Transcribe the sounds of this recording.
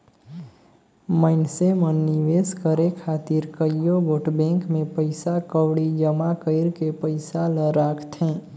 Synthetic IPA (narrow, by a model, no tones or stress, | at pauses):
məɪnsemənːɪʋeːskəɾekʰaːt̪ɪɾkəjoɡoːʈbɛ̃ːŋkmẽpəɪsakəwɽid͡ʒəmakəɪɾkepəɪsaləɾaːkʰt̪ɦɛ̃ː